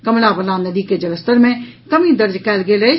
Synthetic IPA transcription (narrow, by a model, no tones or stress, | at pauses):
kɐmlaːbɐlaːnɐd̪iːked͡ʒɐləst̪əɾmẽ | kɐmĩd̪ɐɾd͡ʒkɛːlɡeːleː